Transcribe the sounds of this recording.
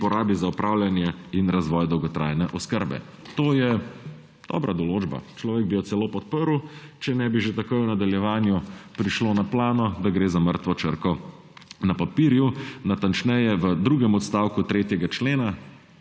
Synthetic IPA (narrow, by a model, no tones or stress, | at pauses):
pɔɾaːbizaupɾʔaːwljanjɛinɾazʋɔjd̪ɔwɡɔt̪ɾa̰jnɛʔɔskəɾbɛ̰ | t̪oːjɛ | d̪̥ɔ̰ːbɾʔad̪ɔloːd͡ʒba̰t͡ʃlɔːʋeɡ̚bijɔt̪sɛloːpɔt̪̚pəɾwt͡ʃɛnɛbiʒet̪akojunad̪aljɛʋaːnjupɾiʃloːnaplaːnɔd̪aɡɾeːzaməɾt̪ʋɔt͡ʃəɾkɔ | napapiːɾjunat̪ant͡ʃnɛjɛʋəd̪ɾuːɡɛmɔt̪st̪aːwkut̪ɾeːt̪jɛɡat͡ʃleːna